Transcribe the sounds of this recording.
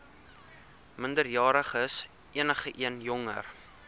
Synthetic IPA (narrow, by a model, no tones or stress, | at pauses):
məndərjɑːɾəχəs | ʔiənəχəʔiənjɔŋə̰r